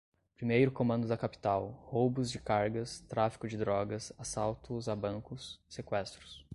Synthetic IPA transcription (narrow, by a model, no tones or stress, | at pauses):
pɾimejɾʊkõmɐ̃nd̪ʊd̪ɐkapi̥t̪awhowbʊzd͡ʒɪkaɾɡɐst̪ɾafi̥kʊd͡ʒɪd̪ɾɔɡɐsasawt̪ʊzabɐ̃ŋkʊssekwɛst̪ɾʊs